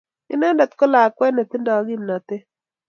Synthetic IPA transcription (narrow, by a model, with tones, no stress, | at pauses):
ɪ̰˦na˦nda˨t̪kɔ˦la˨kwɛ˦ne˨t̪ɪ˦ndɔ˨˦ɡi˦mna˨t̪ɪ˦